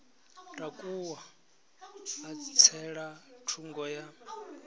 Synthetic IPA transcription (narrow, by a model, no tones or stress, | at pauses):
tʼakʼuwa | t͡sʰɛɺatʰuŋɡɔja